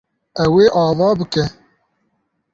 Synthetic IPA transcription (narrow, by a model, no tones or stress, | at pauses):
ɛweːʔɑːvɑːbɨkɛ